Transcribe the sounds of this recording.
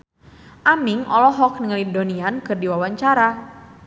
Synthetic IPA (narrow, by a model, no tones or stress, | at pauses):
ʔamiŋɔ̰lɔɦɔk̚nɨŋlidoniankɨrdiwawaɲt͡ʃaɾa